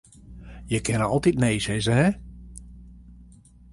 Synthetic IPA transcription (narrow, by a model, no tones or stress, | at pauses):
jəkʰɪnəɔlˠtit̚neːsɪzəɦɛ